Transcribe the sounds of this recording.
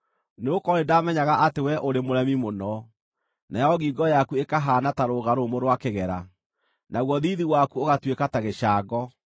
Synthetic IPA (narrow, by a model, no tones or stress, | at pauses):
neokɔɾedamɛɲaɣaʔatewɛʔoɾemoɾɛmimonɔ | najɔɣiːɡɔjakuekaɦaːnataɾoːɣaɾomoɾwakeɣɛɾa̰ | naɣwɔðiːðiwakuoɣatwekataɣeɕaːɡɔ